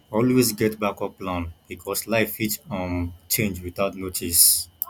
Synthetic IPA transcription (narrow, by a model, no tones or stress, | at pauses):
ɔlwesɡɛtbakɔplãnb̥ikʰɔslaɪfitɔ̃mt͡ʃʰẽnd͡ʒwiθaʊtnotʰis